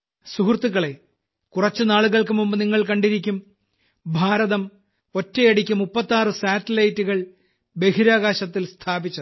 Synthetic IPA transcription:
suhrt̪ːuɣɐɭe̞ | kurɐt͡ɕːɨnaːɭuɣɐɭkɨmumbɨniŋːɐɭkɐɳɖiɾikʲːum | bʱaːɾɐðɐm | o̞tːejɐɽikʲːumːupːɐt̪ːaːrɨsaːtːɐlɐjtːuɣɐɭ | be̞hiɾaːɣaːɕɐt̪ːilst̪ʰaːbit͡ɕːɐ

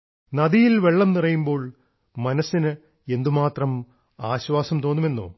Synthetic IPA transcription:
nɐðijilʋe̞ɭːɐmnirɐjumbo̞ːɭ | mɐnɐsːinɨ | e̞nd̪umaːt̪rɐm | aːɕʋaːsɐmt̪o̞ːnːume̞nːo̰ː

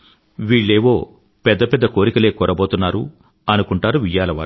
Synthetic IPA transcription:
ʋiːɭːeːʋo̞ː | pɛd̪ːɐpɛd̪ːɐko̞ːɾikɐle̞ːkɔːɾʔɐboːt̪unːaːɾṵ | ɐnukuɳʈaːɾuʋijaːlɐʋa̰ːɾ

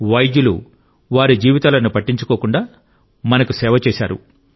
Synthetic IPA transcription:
ʋɐjd̪julṵ | ʋaːɾid͡ʒiːʋit̪aːlɐnupɐʈːiɲt͡ʃu̥ko̞ːkuɳɖaː | mɐnɐkusɛːʋɐt͡ʃeːʃa̰ːɾṵ

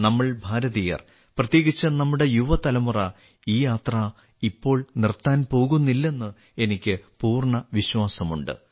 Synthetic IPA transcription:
nɐmːɐɭbʱaːɾɐðijɐ̰r | prɐt̪je̞ːɣit͡ɕːɐnɐmːuɽe̞juʋɐt̪ɐlɐmurɐ | iːjaːt̪rɐ | ipːo̞ːɭnirt̪ːaːnpo̞ːɣunːilːe̞nːɨ | e̞nikʲːɨpuːrɳɐʋiɕwaːsɐmuɳɖɨ̰

